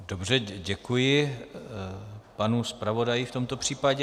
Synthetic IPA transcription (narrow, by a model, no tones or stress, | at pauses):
dobrɛɟɛkujɪ | panuspɾavo̞dajɪft̪o̞mt̪opr̝̥iːpaɟɛ